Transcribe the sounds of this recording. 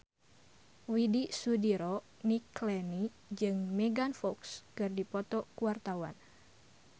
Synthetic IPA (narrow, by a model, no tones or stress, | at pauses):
widisudiɾɔ | niklɛni | d͡ʒɨŋmɛɡanfɔkskɨrdipɔt̪ɔkuwart̪awa̰n